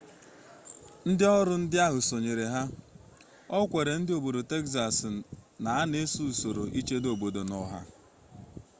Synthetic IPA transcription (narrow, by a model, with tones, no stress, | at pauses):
n̩˦dɪ˦ɔ˦ɾʊ˦n̩˦dɪ˦a˦ɦʊ˨so˨ɲe˨ɾe˨ɦa˦ | ɔ˦kʷe˨ɾe˨n̩˦dɪ˦o˨bo˨do˨te˦ksa˨sna˨a˦ne˦su˦˨so˨ɾo˨ʔi˦t͡ʃe˦do˨bo˨do˨nɔ˦ɦa̰˦